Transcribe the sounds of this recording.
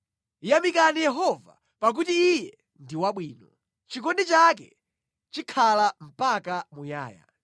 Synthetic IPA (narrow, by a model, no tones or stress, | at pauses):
jamikanijɛɦɔva̰ | pak̬utiːjɛ | ndiwaɓwiːnɔ | t͡ʃikɔndit͡ʃakɛ̰ | t͡ʃikʰalam̩pakamuja̰ːja̰